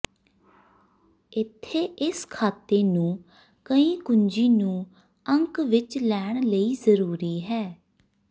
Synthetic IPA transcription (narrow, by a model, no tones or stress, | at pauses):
ɪt̪ʰːeːʔɪskʰaːt̪eːnũː | kəĩːkʊɲd͡ʒiːnũː | əŋkʋɪt͡ʃlɛːɳ̃ləiːzəɾuːɾiːɦɛː